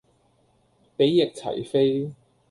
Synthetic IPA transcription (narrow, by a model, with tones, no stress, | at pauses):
pe˨˥jːɪ˨k̚t͡sʰɐ̰˨˩jfe˥j